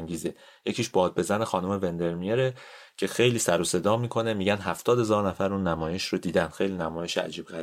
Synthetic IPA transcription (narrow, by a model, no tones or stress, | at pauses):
ŋɟiːze | je̞cʰiːʃb̥ɒːd̪̚be̞zæne̞xɒːnume̞ve̞nd̪e̞ɾmijeɾecʰe̞xe̞jliːsæɾose̞d̪ɒːmiːkʰo̞nemiːɟænɦæft̪ɒːd̪hezɒːɾnæfæɾuːnːæmɒːje̞ʃɾod̪iːd̪ænd̪xejliːnæmɒːje̞ʃeæ̰d͡ʒiːb̥ɣæɾi